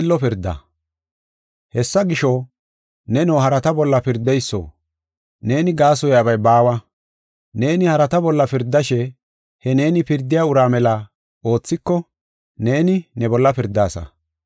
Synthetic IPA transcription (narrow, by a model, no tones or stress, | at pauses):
ɪlːɔpɪɾd̪ːɐ̰ | hɛsːɐɡɪʃɔ | nɛnoːɦɐɾɐt̪ɐbɔlːɐpɪɾd̪ːɛjsːo̰ː | ne̞ːnɪɡaːsɔjaːbɐjbaːwɐ | ne̞ːnɪhɐɾɐt̪ɐbɔlːɐpɪɾd̪ːɐʃɛ | hɛne̞ːnɪpɪɾd̪ːɪjaːʊɾaːmɛlɐ | o̞ːt͡sːɪkːɔ | ne̞ːnɪnɛbɔlːɐpɪɾd̪ːaːsɐ̰